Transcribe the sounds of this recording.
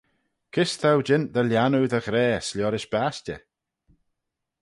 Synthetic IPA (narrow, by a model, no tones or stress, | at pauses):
kʰɪst̪ʰawd͡ʒɪnd̪əljanudəɣɾɛːslʲjɔɾɪʃb̥astə̰